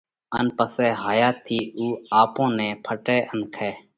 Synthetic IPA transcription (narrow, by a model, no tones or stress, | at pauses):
ənpəseːɦaːjaːt̪ʰːiːuːaːpõːnẽːpʰəʈeːʔənkʰeː